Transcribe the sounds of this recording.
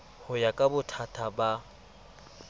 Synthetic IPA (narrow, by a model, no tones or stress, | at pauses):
hʊjakʼabʊtʰatʰaba